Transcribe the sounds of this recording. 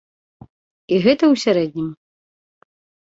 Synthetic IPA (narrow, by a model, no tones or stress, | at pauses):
iɣɛt̪ɐwsʲaɾɛd̪̚nʲim